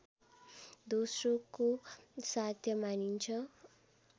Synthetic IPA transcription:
d̪osrokosat̪ʰjʌmanint͡sʰʌ

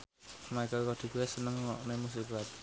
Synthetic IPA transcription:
makəlkɔd̪̥i̤kuwesənəŋwɔʔnemus̬iklat̪̚

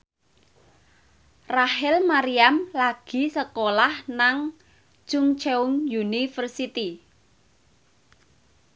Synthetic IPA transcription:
rahɪlmaɾiamlaɡ̥i̤səkolahnaŋ | t͡ʃʊŋt͡ʃeʊŋjunifərsit̪i

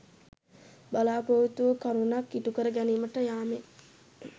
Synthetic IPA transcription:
balaːpoʋut̪uʋəkaɾunakːiʈukəɾəɡæniːməʈəjaːme

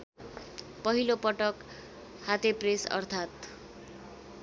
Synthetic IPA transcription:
pʌɦilopʌʈʌk | hat̪epresʌ̰rt̪ʰat̪

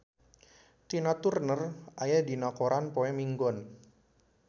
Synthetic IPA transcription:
t̪inat̪urnərʔajadinakoɾanpoɛmiŋɡɔn

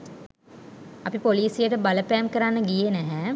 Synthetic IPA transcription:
ɐpipoliːsijəʈəbaləpæːmkəɾanːəɡijenæɦɛ

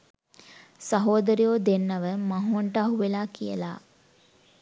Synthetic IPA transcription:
saɦoːd̪əɾijoːd̪enːəʋəmaɦuɐɳʈəaɦuʋelaːkijə̰la̰ː

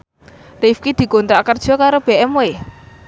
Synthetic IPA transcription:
rifkid̪̥i̤kont̪ɾakərd̥ʒ̥ɔ̤kaɾob̥e̤ʔɛme

